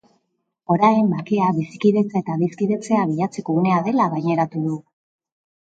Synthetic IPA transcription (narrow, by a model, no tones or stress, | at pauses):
o̞ɾajembakeaβisi̥kiðe̞t͡saet̪aβiskiðe̞t͡se̞aβ̞iʎat͡se̞ko̞une̞aðe̞laɣajɲe̞ɾat̪uðu